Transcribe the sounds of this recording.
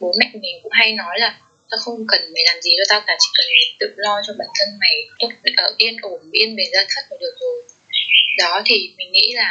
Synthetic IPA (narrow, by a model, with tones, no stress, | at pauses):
ɓo˨˦ma̰˧˨jŋ̟mi˨˩kʊ̰˧˥ŋ͡mɦa˧jnɔ˨˦jlaː˨˩ | t̪ɔː˧xə˧wŋ͡mkə˨˩nma˨˩jlaː˨˩mzi˨˩zɔ˨˩t̪a˦˥t̚laː˧˩t͡ɕḭ˧˨˩kə˨˩n˨˩t̪ɨ̰˧˨lɔ˧t͡ɕɔ˧ɓa̰ː˧˩nt̪ʰə˧nma˨˩˦jt̪ʊ˦˥t̚ʔəː˧˩ʔi˧ənʔo˧˩mɓi˧ənɓe˨˩nzaː˧˩t̪ʰə˦˥˩t̚mə˨˩ɗɨ˨˩ək̚zo˨˩j | ɗɔ˨˦t̪ʰi˨˩mï˨˩ŋ̟ŋḭ˧˥laː˨˩